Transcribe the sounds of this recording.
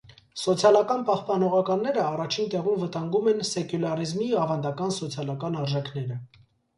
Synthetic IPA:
sɔt͡sʰjɑlɑkɑnpɑhpɑnɔʁɑkɑnːɛɾəɑrɑt͡ʃʰint̪ɛʁumvət̪ɑŋɡumɛnsɛkjulɑrizmiɑvɑnd̪ɑkɑnsɔt͡sʰjɑlɑkɑnɑɾʒɛkʰnɛɾə

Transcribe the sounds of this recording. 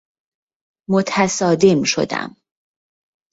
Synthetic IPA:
mo̞t̪ʰæsɒːd̪emʃo̞̰d̪æ̰m

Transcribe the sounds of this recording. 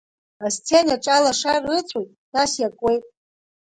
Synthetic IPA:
ast͡sʰenaʈ͡ʂʼalaʂarɨt͡sʷʼojtʼtʰasjakʷʼwe̞jtʼ

